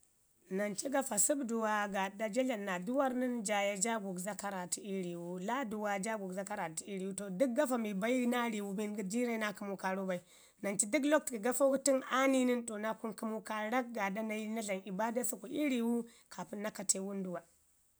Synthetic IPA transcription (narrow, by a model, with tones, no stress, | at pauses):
na˨nt͡ʃi˦ɡa˨fa˨su˦bdu˨wa˨ɡa˨da˦d͡ʒe˦la˨nːa˨du˦wa˦ɾni˦nd͡ʒa˨ja˨d͡ʒa˦ɡu˨kza˦ka˦ɾa˨ti˨i˦ɾi˨wu˦la˦du˨wa˨d͡ʒa˦ɡu˨ɡza˦ka˦ɾa˨ti˦i˦ɾi˨wu˦to˨du˦k̚ɡa˦fa˨mi˨ba˦i˦na˦ɾi˨wu˦bi˦nɡi˦di˦ɾa˦i˦na˦ku˦mu˦ka˨ɾu˦ba˨i˨ | na˨nt͡ʃi˦di˦klo˦k̚tɡi˨ɡa˦fo˦ti˦na˦ni˦ni˦nto˨na˦ku˦nku˦mu˦ka˨ɾa˦k̚ɡa˨da˦na˨i˦na˦ɮa˨ni˨ba˦da˦su˦ku˨ʔi˦ɾi˨wu˦ | kʰa˨pu˦nːa˦ka˨tʰe˦wu˦ndu˨wa˨